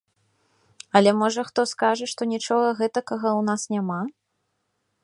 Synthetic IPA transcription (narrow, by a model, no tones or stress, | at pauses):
ɐlʲɛmɔʐɐxt̪ɔskaʐɐʂt̪ɔnʲit͡ʂɔɣɐɣɛt̪ɐkɐɣɐwnasnʲama